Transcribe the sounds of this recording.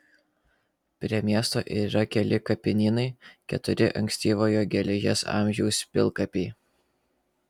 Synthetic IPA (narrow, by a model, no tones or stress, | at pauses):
pʲɾʲiɛmʲiɛst̪o̰ːʔiːɾɐkʲɛlʲɪkɐpʲɪnʲiːnɐɪkʲɛ̰t̪ʊɾʲɪʔɐ̰ŋʲksʲt̪ʲiːʋoːjoːɡʲɛlʲɛʒʲɛ̰sɑ̰ˑmʲʒʲɛʊspʲɪ̰lˠˑkɐpʲɛɪ